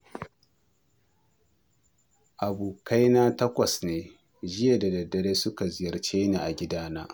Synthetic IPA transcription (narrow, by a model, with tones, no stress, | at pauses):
ʔa˨buː˨ka˦jnaː˦tɐ˦kʷɐ˨sneː˨ | d͡ʒɪ˦ja˨da˨dɐ˨dːɐ˨ɽeː˦sʊ˦ka˨zɪ˦jɐ˨rt͡ʃeː˦neː˨ʔa˨ɡʲɪ˦daː˦na̰ː˦